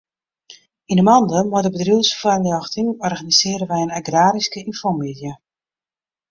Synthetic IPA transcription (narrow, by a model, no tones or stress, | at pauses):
inəmɑndəmɔdəbədriəsfarljɔxtɪŋɔrɣanizɪːɾəʋɛjənaɡraːɾiskəinfɔmidjə